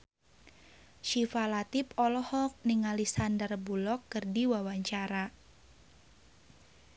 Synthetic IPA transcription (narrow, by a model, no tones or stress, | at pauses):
ʃifalat̪ipɔlɔhɔk̚niŋalisandərbulɔkːɨrdiwawaɲt͡ʃaɾa